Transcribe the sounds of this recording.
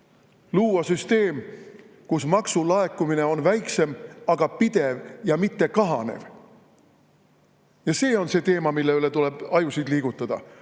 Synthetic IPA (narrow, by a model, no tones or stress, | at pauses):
luːɑsyst̪e̞ːm | kusmɑksulɑe̞kːumine̞o̞nvæjkse̞mɑɡ̥ɑpid̪̥e̞vjɑmit̪ːe̞kɑɦɑne̞̰v | jɑse̞ːo̞nse̞ːt̪e̞ːmɑmilːe̞yle̞t̪ule̞b̥ɑjusid̪liːɡ̥ut̪ːˑɑd̪̥ɑ̰